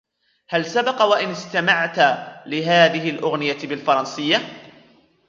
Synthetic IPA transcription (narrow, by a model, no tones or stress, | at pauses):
halsabɑqɑwaʔɪnɪst̪amaʕt̪lɪɦaːðɪɦɪlʔʊɣnɪjabɪlfɑɾˤɑnsɪjːa